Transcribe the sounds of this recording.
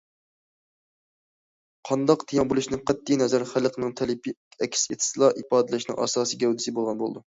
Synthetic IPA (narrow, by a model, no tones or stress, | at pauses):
qʰɑnd̪ɑqt̪ʰijɑŋbulˠuʃnɪŋqʰɛt̪ʰːijnɛzæɾχæləqnɨŋt̪ʰɛlɪpʰʲɛkʲʰset̪ʰɪ̥sɨlˠɑʔipɑːd̪ɪlɪʃnɪ̰ŋʔɑ̰ːsɑːsiɡʲɛwd̪ɪsɪbolˠʁɑnbolˠɨ̰d̪u